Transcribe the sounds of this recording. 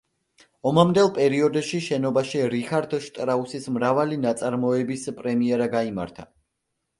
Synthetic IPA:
ɔmamd̪ɛlˠpʼɛɾiɔd̪ʃiʃɛnɔbaʃiɾikaɾd̪ʃt̪ʼɾausismɾavalinat̪sʼaɾmɔɛbispʼɾɛmiɛɾaɡaima̰ɾt̪ʰa

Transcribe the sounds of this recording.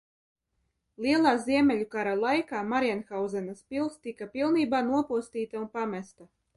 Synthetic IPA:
lˠiɛlˠaːziɛmʲɛlʲukaɾalˠajkaːmaɾianxawzɛnaspʲilˠst̪ikapʲilˠniːbaːnuɔpuɔst̪iːt̪aunpamʲæst̪a

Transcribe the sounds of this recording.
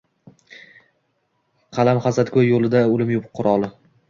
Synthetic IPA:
qʰɑlamχazat̪kʰʲojjolˠɪd̪aʊlɪmjʊpʊqʰːʊɾɒlˠɪ

